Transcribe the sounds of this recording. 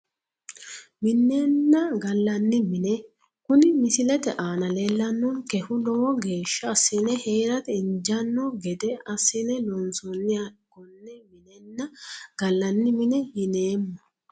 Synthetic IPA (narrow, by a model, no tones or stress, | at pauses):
mɪnːenːɐɡɐlːɐnːɪmɪnɛ | kʊnɪmɪsɪlɛt̪ɛʔaːnɐle̞ːlːɐnːɔnkɛhʊlɔwɔɡe̞ːʃːɐːsːɛnɛheːɾɐt̪ɛɪnd͡ʒɐnːɔɡɛd̪ɛʔɐsːɛnɛlɔnsɔnːɪjaɡ̥ɔnːɛmɪnɛnːɐɡ̥ɐlːɐnːɪmɪnɛhɪneːmːɐ